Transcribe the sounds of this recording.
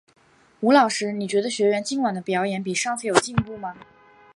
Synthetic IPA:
u˧˥lɑ˨˩ʊʂɻ̩˧˥ni˨˩t͡ɕɥɛ˧˥d̪ə˧ɕɥɛ˧˥ɥɛ˧˥nt͡ɕi˥nkwa˨˩nd̪ə˦pjɑ˧˥ʊjɛ˧˥npi˨˩ʂɑ˥˧ŋt͡sʰɹ̩˥˩jo˨˩ʊt͡ɕi˥˧npu˥˩mɐ˩

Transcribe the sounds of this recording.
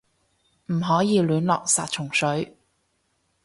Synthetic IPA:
m̩˨˩ɦɔː˨˥jiː˨˧lyː˨˧nlɔː˨k̚saː˧t̚t͡ʃʰʊ˨˩ŋsɵ˨˥ɥ

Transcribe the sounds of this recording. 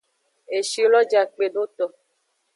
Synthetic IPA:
e˨ʃi˦lɔ˦d͡ʒa˨k͡pe˨do˦t̪ɔ˨

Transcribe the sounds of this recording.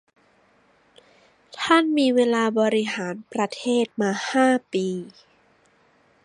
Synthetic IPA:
t̪ʰa˥˩nmiː˧weː˧laː˧bɔː˧ɾi˦˥ɦaː˩˦npɾa˧t̪ʰeː˥˩t̪̚maː˧haː˥˩piː˧

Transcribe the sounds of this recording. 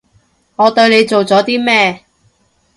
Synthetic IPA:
ŋɔː˨˧t̪ɵ˧ɥne˨˧jt͡so˨wt͡sɔː˨˥t̪iː˥mɛː˥

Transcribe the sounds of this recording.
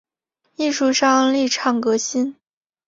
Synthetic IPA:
i˥˧ʂu˥˧ʂɑ˥˧ŋli˥˧ʈ͡ʂʰɑ˥˩ŋkɤ˧˥ɕi˥n

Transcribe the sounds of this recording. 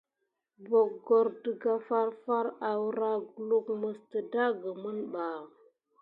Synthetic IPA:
bo˨k̚ɡo˨ɾdə˨ɡa˦fa˦ɾfa˦ɾa˨wɾa˦ɡu˨lu˦kmə˨stə˨da˦ɡə˨mə˦nɓa˨

